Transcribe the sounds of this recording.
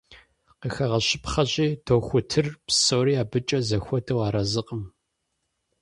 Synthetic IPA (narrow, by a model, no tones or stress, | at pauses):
qəxɐʁɐɕɪpχɐɕʼiːtʰoːxʷʊtʰɨrpsowɾiːaːbɨt͡ʃʼɐzɐxʷɔtʰɨwɑːɾɐzɨqʼəm